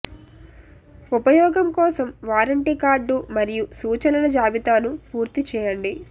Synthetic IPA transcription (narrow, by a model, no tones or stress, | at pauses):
upɐjɔːɡɐmkɔːsɐmʋaːɾɐɳʈikaːɾɖːumɐɾijusuːt͡ʃɐnɐnɐd͡ʒaːbit̪aːnupuːɾt̪it͡ʃɛːjɐɳɖi